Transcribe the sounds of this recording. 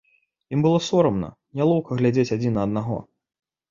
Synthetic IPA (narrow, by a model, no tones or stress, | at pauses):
imbɨlˠɔsɔɾɐmnɐ̰ | nʲalˠɔwkɐɣlʲad͡zʲet͡sʲad͡zʲinɐːd̪̚naɣɔ̰